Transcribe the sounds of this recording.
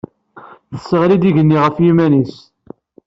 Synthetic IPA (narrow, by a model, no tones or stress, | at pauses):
θə̥sːəʁlid̪iʝənːiʁəfjimænis